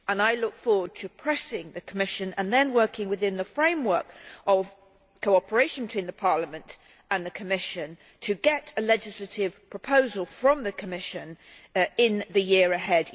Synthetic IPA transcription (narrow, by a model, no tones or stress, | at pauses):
ə̃naɪlʊkfɔɹwəd̚tʰɨpʰɹ̥ɛsɪ̃ŋðɨkʰəmɪʃɨ̃nə̰̃nðɨ̃nwɜˑ˞kɪ̃ŋwɨðɪ̃nðəfɹẽɪ̃mwɜ˞kʔəv̥ | kʰoʊɑpə˞eɪʃə̃n̩bɪtʰĩnðəpʰɑɹləmɨ̃nt | ə̃nðɨkʰəmɪʃɨ̃n | tʰɨɡɛɾɨlɛd͡ʒɨsləɾɪv̥pʰɹ̥əpʰoʊzəlˠfɹʌ̃mðɨkʰəmɪʃɨ̃n | ɪ̃nðɨjɪɹɨɦɛd